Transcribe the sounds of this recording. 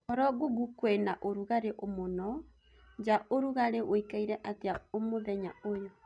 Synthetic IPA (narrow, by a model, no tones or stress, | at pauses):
ɔɾɔɡoɡukwenaʔoɾuɣaɾeʔomonɔ | d͡ʒaʔoɾuɣaɾeʔoikaiɾɛʔateaomoðɛɲaojɔ